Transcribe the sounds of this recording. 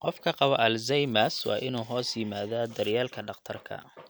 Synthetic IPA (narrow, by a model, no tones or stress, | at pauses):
qɔfkʰɐqɑβɔʔɐlzɛjmɐswɑ̰ːʔɪnuːɦɔːsjɪmaːðɐd̪ɐrjaːlkʰɐɖɑχqt̪ʰɐrkʰɐ̰